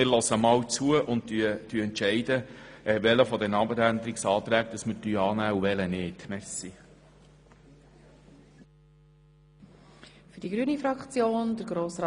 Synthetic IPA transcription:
ɪɾlɔsəmɑːwt͡suəʔʊntyət̪yɛntʃɛɪdəɛʋɛləfɔd̪ɛnɑːbəɾænd̪əɾiksɑːt̪ɾæːk̚d̥̪əsməɾtyːɑːnæːuʋɛlənɪːtmɛsi | fyɾd̥iɡɾyːənifɾɑkt͡sjoːndəɾɡɾoːsɾɑ

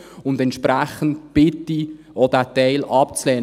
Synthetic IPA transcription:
ʊndɛntʃpɾæχən̩tb̥ɪtːi | odæːtɛɪlɑp̚t͡slɛː

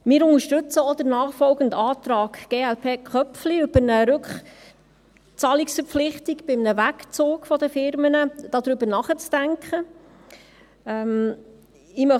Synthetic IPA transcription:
mɪːɾʊnəʃtɵt͡səɔd̥̪əɾnɑːχfɔlɡəntɑːt̪ɾɑːkɡ̥eːælpʰeːkχœpfliʉb̥əɾnəɾʉkχ | t͡sɑːliksfəɾpp͡flɪχt̪ikb̥ɪmnəʋækt͡soːkfɔd̪əfɪɾmənəd̥ɑd̪ɾʏbəɾnɑχət͡sd̥æŋkχə | ɛm | ɪmœ

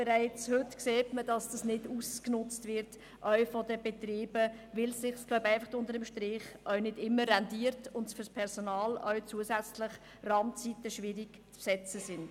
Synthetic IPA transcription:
b̥ɛɾæɪt͡shʏtkseːtməd̥ɑsd̥ɑsnɪdusknʊt͡stʋɪɾt | ʔœɥfɔdəbɛtriːbəvɪlsɪχslœʊbæɪfɑχʊndəɾəmʃtɾɪχʔœɥnɪdɪmːəːɛndiːəɾtʊndsfʏɾspʰɛɾsonɑːlœ̰ɥt͡suəsæt͡slɪχ | rɑmt͡sitəʃʋɪːɾiɡ | t͡spsɛt͡səsɪn

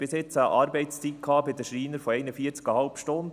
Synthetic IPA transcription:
b̥ɪsjɪt͡səʔɑːɾbɛɪtst͡sikʰɑːbɪd̪əʃɾiːnəɾfɔɛɪnəfiːəɾt͡skəhɑlpʃtʊnd̪

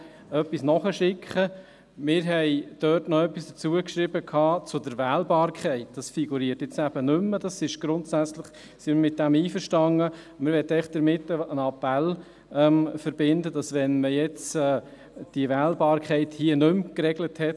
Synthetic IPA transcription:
œpːisnɔχəʃɪkʰχə | mɪːɾɦɛɪd̥œːtnɔœpːisd̥ət͡suəkʃɾɪbəkʰɑːt͡sʊdəɾvɛːlbɑːɾkχɛɪt̚d̥ɑsfiɡuɾiətjɛt͡sæb̥ənʏmːəd̥ɑsɪʃɡ̥ɾʊntsæt͡slɪχ | simɪmɪt̚d̥ɛmiːfəɾʃtɑŋːə | mɪɾʋɛt̪ːɛɪχd̪̥əɾmɪtːəənɑpɛl | ɛmfəɾbɪndəd̥ɑsʋɛnməjɛt͡sː | d̥iəʋæːlbɑːɾkχɛɪthiənɵmkɾɛɡləthɛt

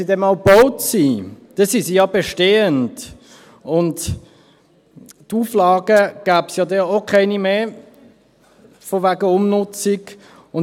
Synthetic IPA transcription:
idɛmɑlb̥oʊtsid̥ɛsisijɑbeʃteːənd | ʊnt | tuːflɑːɡəɡ̥æːpsjɑdɛokʰɛɪnimeː | foʋæɡəʊmnʊt͡siɡ | ʊn

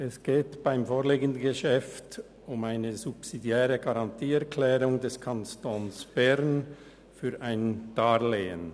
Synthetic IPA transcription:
ɛsɡ̥eːtb̥aɪmfoːʁleːɡən̩dn̩ɡəʃɛft | ʊmaɪnəzupsidjɛːʁəɡaʁɑntʰiːɛɐkʰlɛːʁʊŋdɛskʰanstoːnsb̥ɛʁn | fyːɾʔaɪnd̥aːleːən

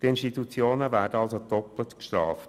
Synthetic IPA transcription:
tɪnʃtit̪ut͡sjoːnəvæːɾdəɑlsod̥ɔplətkʃtɾɑ̰ːft

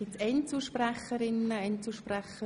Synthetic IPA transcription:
ɪtsɛnt͡suʃprɛχːəɾɪnəɛnt͡suʃprɛχə

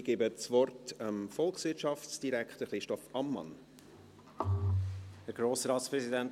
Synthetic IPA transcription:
ɡ̥ɛbət͡sʋɔrtəmfɔlksʋɪːtʃɑfsd̥iɾækχtəɾχɾɪʃtɔfɑmːɑ̰n | hæɾɡ̥ɾoːsɾɑːtspɾɛzidænt

